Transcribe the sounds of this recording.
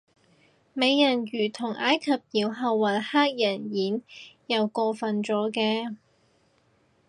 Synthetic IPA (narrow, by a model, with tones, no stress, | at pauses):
me˨˧jːɐ˨˩njyː˨˩t̪ʰʊ˨˩ŋʔaː˨˥jkʰɐ˨p̚jiː˨˧wɦɐ˨˧wːɐ˨˩nhaː˥k̚jɐ˨˩njiː˨˥njɐ˨˧wkɔː˧fɐ˨nt͡sɔː˨˥kɛː˧